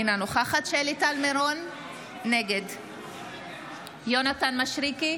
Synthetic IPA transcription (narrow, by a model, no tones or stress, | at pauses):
inanoχaχatʃelit̪almeɾonː | eɡed | jonat̪anmaʃʁiki